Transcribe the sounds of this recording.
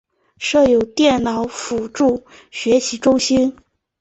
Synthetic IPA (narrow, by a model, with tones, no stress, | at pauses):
ʂɤ˥˩jo˨˩ʊt̪jɛ˥˩nnɑ˨˧˩ʊfu˨˩ʈ͡ʂu˥˩ | ɕɥɛ˧˥ɕi˧˥ʈ͡ʂʊ˥ʊɕi˥n